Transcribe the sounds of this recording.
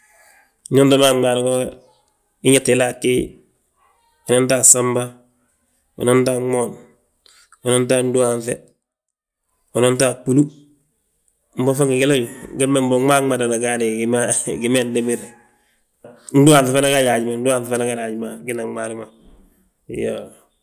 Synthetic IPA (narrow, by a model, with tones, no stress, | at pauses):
ɲo˦nto˦ma˦ŋa˨ɾiɡo | i˦ɲatila˦ki˦ | ono˦nta˦samba | o̰no˦ntaŋoːn | o˨no˦nta˦n˦du˦aɱfe | o˨no˦nta˦pu˦lu˦ | m̩˨bo˦fa˦ŋɡiɡi˦la˦ɟuɡe˦mːe˦mbo˨ma˦ada˨naɡaneɡimaɡime˦ndemiɾ | n̩˦du˦aː˨fefe˦na˦ɡaja˨ɟma˨n̩˦du˦a˦ffe˦na˦ɡaɾa˨ɟimaɡi˦naaɾima | jo